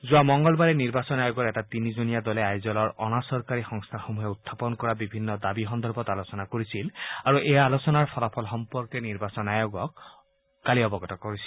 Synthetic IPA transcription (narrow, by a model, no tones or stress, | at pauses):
zʊamɔŋɡɔlbaɹɛniɹbasɔnajoɡɔɹɛtatinizonijadɔlɛajzɔlɔɹɔ̰nasɔɹkaɹixɔŋst̪ʰaxomuɦɛutʰːapɔnkɔɹabibʱinːɔdabixɔnd̪ʱɔɹbɔtalosɔnakoɹisilaɹuʔɛjaːlosɔnaɹpʰɔlapʰɔlxɔmpɔɹkɛniɹbasɔnajoɡɔkː | aliɔbɔɡɔtɔkoɹisi̥l